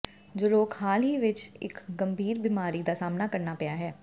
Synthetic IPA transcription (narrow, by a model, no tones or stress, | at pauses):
d͡ʒoːloːkhaːlɦiːʋɪt͡ʃɪ̰kɡəmbʱiːɾbimaːɾiːd̪aːsaːmnaːkəɾnaːpɛjaːɦɛː